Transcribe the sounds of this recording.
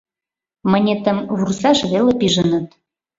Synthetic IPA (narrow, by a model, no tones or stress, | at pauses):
mənʲet̪əmβursɑʃβelepiʒə̆nə̆t̪